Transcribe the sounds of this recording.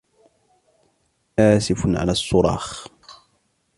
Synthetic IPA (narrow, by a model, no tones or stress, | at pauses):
ʔaːsɪfʊnʕa̰lasˤːʊɾˤɑ̰ːx